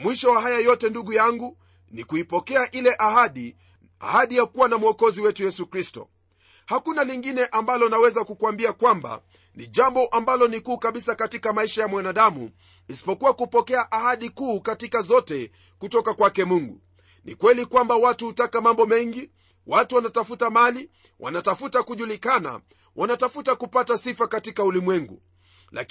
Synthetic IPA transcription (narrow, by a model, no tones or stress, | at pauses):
mwiʃɔwaɦajajɔtɛnduɠujaŋɡu | nikuipɔkɛaʔilɛʔaɦaɗi | a̰haɗijakuwanamuɔkɔziwɛtujɛsukɾistɔ̰ | hakunaliŋɡinɛʔambalɔnawɛzakukuambiakwamba̰ | niʄambɔʔambalɔnikuːkaɓisakatikamaiʃajamwanaɗamṵ | isi̥pɔkuwakupɔkɛaʔahaɗikuːkatikazɔtɛ | kutɔkakwakɛmuŋɡṵ | nḭkwɛlikwambawatuhutakamambɔmɛŋɡi | watuwanatafutamali | wʔa̰natafutakuʄulikana̰ | wʔanatafutakupatasifakatikaulimwɛŋɡṵ | la̰